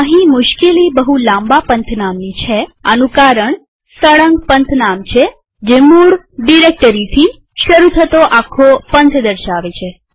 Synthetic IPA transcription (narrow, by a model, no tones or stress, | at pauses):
əɦimʊʃkelibəɦulãmbapənt̪ʰnamnit͡ʃʰea̰nũkaɾəɳ | səɭəŋɡ̚pənt̪ʰnamt͡ʃʰe | d͡ʒemuɽ | ɖiɾek̚ʈəɾit̪ʰi | ʃəɾut̪ʰət̪oʔakʰːopənt̪ʰd̪əɾʃaʋet͡ʃʰe